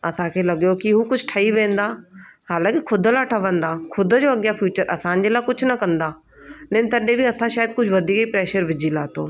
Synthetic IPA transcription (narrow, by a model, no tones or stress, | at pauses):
ɐsãkʰeːlɐɠjokiɦukʊd͡ʒʰʱʈʰɐiʋẽːnd̪aːhaːlãːkikʰʊd̪laʈʰəʋə̃nd̪aːkʰʊd̪d͡ʑoːɐɠjafʰjuːt͡ɕəɾʔɐsãːnd͡ʑelaːkʊd͡ʑʰʊnɐkɐ̃nd̪aː | lẽːnt̪ɐɗẽbiɐsãʃaːjəd̪̚kʊd͡ʑʱʋɐd̪ʱiːkəipɾɛːʃəɾʋɪd͡ʑilaːt̪o̰ː